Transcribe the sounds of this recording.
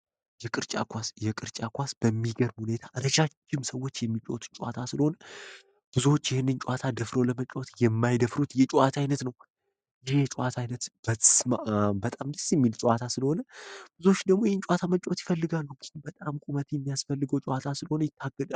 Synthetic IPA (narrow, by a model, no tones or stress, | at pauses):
jɛkʼɨɾt͡ʃʼa̰kʰʷasjɛkʼɨɾt͡ʃʼakʷasb̥əmːiɡəɾbhune̞t̪ʰaʔɾəʃat͡ʃːɪmsəwːo̞t͡ʃːjɛmːit͡ʃʼo̰t̪ʰt͡ʃʼuʔa̰t̪ʰasɨləho̞nə | b̥ɨzuo̞t͡ʃːɪhɪnːɨnt͡ʃʼuʔat̪ʰad̪əfɾoləmət͡ʃʼːot̪jɛmːajd̪əfɾut̪jɛt͡ʃʼuat̪ʰajnət̪nəw | jɪhet͡ʃʼuat̪ʰajnət̪b̥əsmaʔabət̪ʼamd̪ɨsjɛmːilt͡ʃʼuwat̪ʰasɨləho̞nəb̥ɨzo̞t͡ʃːd̪əɡmo̞jhɛnt͡ʃʼuat̪ʰamət͡ʃʼot̪jɪfəlːɨɡalːuɡɨbət̪ʼamkʼumət̪jɛmːijasfəlːɨɡəwt͡ʃʼuwat̪ʰasɨləho̞nəjɪt̪ʰːaɡ̥ːəd̪a